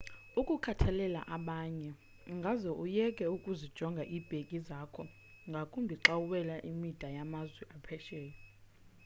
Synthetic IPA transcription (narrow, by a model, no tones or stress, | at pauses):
ukʼukʰatʰalɛla̰ʔaɓaɲɛ | ŋɡʱazɔʔujɛkʼɛukʼuzid̥ʒ̥ʱɔŋɡʱaʔib̥ʱekʼizakʰɔ | ŋɡʱakʼumbʱiǁawuɓɛlaʔimid̥ʱajamazwɛʔapʰɛʃɛːjɔ